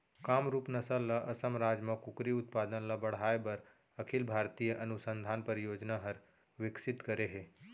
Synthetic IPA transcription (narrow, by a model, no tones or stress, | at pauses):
kaːmɾuːpnɐsəlːɐʔɐsəmɾaːd͡ʒmɐ̃kʊkɾiʊt̪̚paːd̪ənlɐbɐɽ̤aːebɐɾ | ɐkʰilbʱaːɾt̪iːjəʔɐnʊsə̃nd̪ʱaːnpəɾjoːd͡ʒnaɦɐɾ | ʋɪksɪt̪kɐɾeɦeː